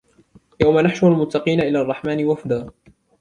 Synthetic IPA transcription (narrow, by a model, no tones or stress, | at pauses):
jawmanaħʃʊalmʊt̪ːɑqiːnaʔɪlaːɑrˤːɑħmaːnɪwafd̪aː